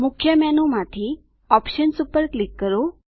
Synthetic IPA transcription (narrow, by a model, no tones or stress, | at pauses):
mʊkʰjəmɛnumãt̪ʰi | ɔpʃənsupːəɾklikːəɾo